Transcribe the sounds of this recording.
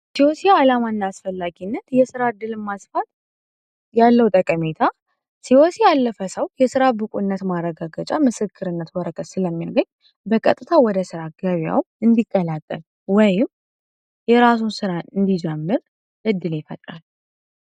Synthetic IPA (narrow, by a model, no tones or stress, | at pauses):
siosiaːlamanːaːsfəlːaɡinːət̪jɛsɨɾaɨd̪ːɨlmasfat̪ | jalːəwt̪ʼəkʼəme̞t̪ʰa | siosialːəfəsəwjɛsɨɾabɨkʼunːət̪marəɡaɡət͡ʃʼamɨsɨkʰːɨɾɨnːət̪wɔɾəkʰʼət̪sɨləmːijaɡəɲː | bəkʼət̪ʼːɨt̪ʰawɔd̪əsɨɾaɡəβja̰w | ɨnd̪ikʼːəlat̪ʼːə̰l | wɔjɪm | jɛɾas̬unsɨɾaɨnd̪id͡ʒɛmːɨɾ | ʔɨd̪ːɨlɪfət̪ʼɾa̰l